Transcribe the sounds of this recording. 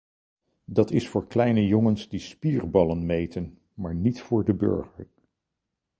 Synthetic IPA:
dɑtɪsfʊːɹklɛjnəjɔŋənsdispiːrbɑlənmejtən | maːɹnitfʊːɹdəbø̰ɹχəɹ

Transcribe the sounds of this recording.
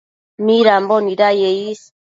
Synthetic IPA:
miɾambɔniɾajejis

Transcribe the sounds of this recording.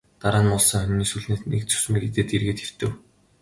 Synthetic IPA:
t̪aɾaːnmɔɮsɞ̆ŋχœmʲniːsuɮneːnḛk̚t͡sʰɵ̥s̆mĭːket̪eːt̪erɣeːt̪ew̥t̪ɘ̆w

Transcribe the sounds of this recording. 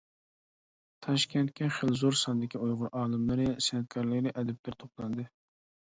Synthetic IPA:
t̪ʰɑʃkʲʰɛnt̪̚kʲɛχəlzoɾsɑnd̪ɪkʲiojʁʊɾʔɑːlˠɨmlˠɨɾɨsɛnɛt̪̚kʰɑɾlɪkʲd̪ɪʔɛd̪ɛp̚lɪɾt̪ʰoplˠɑnd̪ɨ

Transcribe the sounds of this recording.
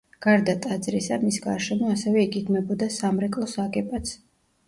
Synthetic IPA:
ɡ̥aɾd̪at̪ʼad̪zɾisamisɡaɾʃɛmɔasɛvɛiɡiɡ̪mɛbɔd̪asamɾɛkʼlˠɔsakʼɛpʼat̪sʰ

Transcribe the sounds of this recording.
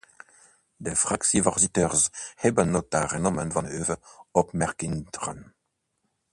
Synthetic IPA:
d̪əfʁaksivɛʁsitɛʁzhɛbənːot̪aʁɛnɔmənvɑ̃nøvəɔpmɛʁkindʁə̰n

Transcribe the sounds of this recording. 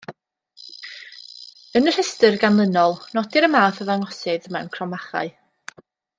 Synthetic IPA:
ənər̥əstərɡanlˠənɔlˠnɔdɪɾəmaːθəvaŋɔsɪðmɛwnkʰrɔmaχa̰ɨ

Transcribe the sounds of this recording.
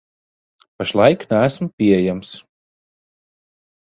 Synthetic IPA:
paʃlˠajknæːsmpʲiɛjæms

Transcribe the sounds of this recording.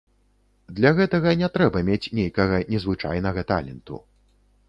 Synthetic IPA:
d̪lʲɐɣɛt̪ɐɣɐnʲɛt̪ɾɛbɐmʲet͡sʲnʲejkɐɣɐnʲɛzvɨt͡ʂa̰jnɐɣɐt̪a̰lʲɛnt̪ṵ

